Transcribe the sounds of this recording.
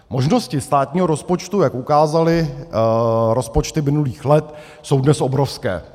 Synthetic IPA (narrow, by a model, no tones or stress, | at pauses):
mo̞ʒno̞scɪst̪aːt̪ɲiːɦo̞ɾo̞spo̞t͡ʃt̪ujakʔukaːzalɪ | ɾo̞spot͡ʃt̪ɪmɪnuliːxlɛt̪ | so̞wdnɛsʔobɾofskɛ̰ː